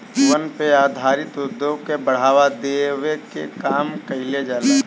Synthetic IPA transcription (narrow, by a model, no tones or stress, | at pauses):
ʋənpeaːd̪ʱaːɾɪt̪ʊd̪ʱːõkebɐɽ̤aːʋad̪eːwekḛkaːmkɐɦɪled͡ʒaːleː